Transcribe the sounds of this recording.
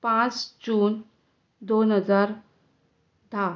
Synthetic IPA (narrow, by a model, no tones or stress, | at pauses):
pãt͡sd͡ʑuːn | d̪onɦəd͡zaɾ | d̪ʱa